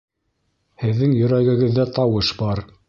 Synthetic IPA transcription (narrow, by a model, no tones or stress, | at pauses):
hɘ̆ðːɘŋjɵ̆ɾæɡɘ̆ɡɘ̆ðːæt̪ɑwɤʃbɑɾ